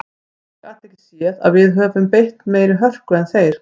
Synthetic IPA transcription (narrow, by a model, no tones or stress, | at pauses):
kaht̪ɛhcɪ̥sjiːɛða̰ðvɪðɦœːvʏmpejht̪meːjɾɪɦœr̥kʏɛnθejɾ̥